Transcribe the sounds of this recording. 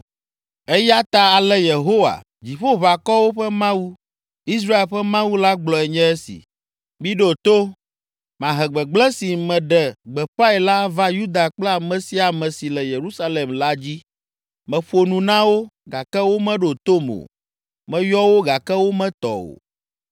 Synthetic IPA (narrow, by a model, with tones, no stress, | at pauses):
ɛ˦ja˦t̪a˦a˨lɛ˦je˨ɦo˦wa̰˨ | d͡ʑi˨ɸo˦βa˨kɔ˦wo˦ɸɛ˦mã˦wu˦ | i˦s̬ɾa˦e˨lɸɛ˦mã˦wu˦la˦ɡ͡blɔ˨ɛ˨ɲɛ̃˦ɛ˦sḭ˨ | mĩ˦ɖo˦˨t̪o˦ | mã˨ɦɛ˨ɡ͡bɛ˨ɡ͡blɛ˦si˨mɛ̃˨ɖɛ˨ɡ͡bɛ˨ɸa˦e˨la˦va˦ju˦d̪a˨k͡plɛ˦a˨mɛ̃˨si˦a˨mɛ̃˨si˨lɛ˨je˨ɾu˦sa˦le˨mla˦d͡ʑi˦ | mɛ̃˨ɸo˨nũ˨nã˦wo˦ɡa˨kɛ˦wo˦mɛ̃˦ɖo˨t̪o˦mo̰˨ | mɛ̃˨jɔ˦wo˦ɡa˨kɛ˦wo˦mɛ̃˦t̪ɔ̰˨o̰˨